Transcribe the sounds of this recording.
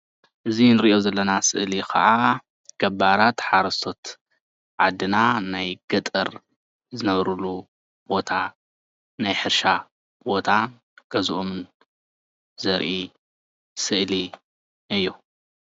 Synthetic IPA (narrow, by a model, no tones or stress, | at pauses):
ʔɨzinɨɾiʔo̞zɐlːɐnasɨʔlikʰɐ̰ʕa | ɡ̥ɐbaɾat̪ħaɾɐsʰo̞t̪ | ʕad̪ɨnanajɡ̥ɐt̪ʼɐɾ | zɨnɐβɾulu | b̥o̞t̪ʰa | najħɨɾʃa | b̥o̞t̪ʰa | ɡ̥ɐzuʔomɨn | zɐɾʔi | sɨʔli | ʔɨjːu